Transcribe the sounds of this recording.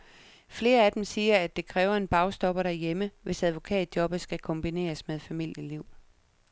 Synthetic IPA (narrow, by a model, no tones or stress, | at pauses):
fle̝ːɐæd̥emsiːɐæd̥e̝kʰʁɛːʊɐe̝nb̥ɑ̈ʊsd̥ɒ̽b̥ɐɾæɐjeməʋe̝sæð̞ˠʋo̝kʰɛ̰ːd̥̚jɒ̽b̥əsɡ̥ækʰɒ̽mb̥ine̝̰ːɐsmeðˠfæmil̰jəliʊ̰